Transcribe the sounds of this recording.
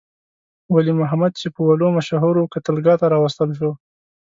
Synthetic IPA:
walimʊɦamad̪̚t͡ʃepəwalomaʃɑɦoɾokat̪əlɡɑt̪aɾɑwast̪əlʃ̬o

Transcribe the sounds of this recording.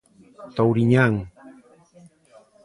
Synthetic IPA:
t̪awɾiɲaŋ

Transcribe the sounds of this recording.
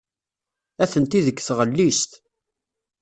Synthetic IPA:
æθənt̪iðəkːθʁəlːist̪

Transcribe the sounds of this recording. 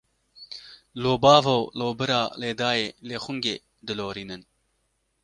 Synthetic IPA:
loːbɑːvowloːbɨɾɑːleːd̪ɑːjeːleːxʊŋɡḛː | d̪ɨloːɾiːnɨn

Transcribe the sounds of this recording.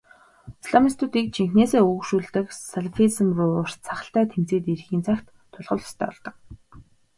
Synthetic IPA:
isɮamist̪ʰut̪iːk̚t͡ɕʰiŋxneːseːuɣ̆kʃuːɮt̪ɘ̆ksaɮfismrʊːʊr̥t͡sʰaχə̆ɬt̪æːt̪ʰem̥t͡seːt̪iɾxiːnt͡sʰakt̪ʰːʊɮʁə̆ɮɔ̥st̪ʰæ̰ːɔɮt̪ɞ̆k̚

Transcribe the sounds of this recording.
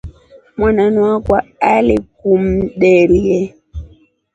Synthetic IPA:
mwananwakwaalikum̩ɗɛɾiɛ

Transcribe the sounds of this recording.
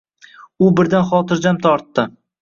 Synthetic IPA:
ʊbɪɾd̪anχɒt̪ɪɾd͡ʒamt̪ʰɒɾt̪ːɪ

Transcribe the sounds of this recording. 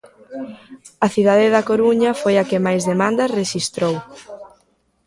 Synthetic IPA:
ɐθiðaðɪðɐkoɾuɲɐfojakɪmajzðemãnd̪ɐsreʃist̪ɾow

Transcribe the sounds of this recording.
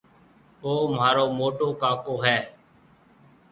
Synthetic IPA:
oːmɦaːɾoːmoːʈoːkaːkoːɦɛː

